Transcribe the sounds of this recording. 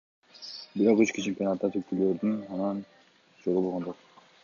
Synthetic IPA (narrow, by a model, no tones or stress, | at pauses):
biɾoqøt͡ʃkʲit͡ʃʰempʲijo̞nɑt̪ːɑt̪ʰykʲʰyløɾd̪ɪnɑnɑn | d͡ʒolˠubolˠʁɑnd̪oq